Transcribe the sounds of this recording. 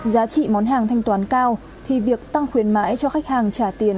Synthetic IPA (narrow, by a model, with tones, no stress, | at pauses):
zaː˨˦t͡ɕḭ˧˨mɔ˨˦nɦaː˨˩ŋt̪ʰa˧jŋ̟t̪waː˨˦nkaː˧w | t̪ʰi˨˩vi˨˩ək̚t̪a˧ŋxwi˨˦ənma̰ː˧˥jt͡ɕɔ˧xa˦˥k̚haː˨˩ŋt͡ɕaː˧˩t̪i˨˦ən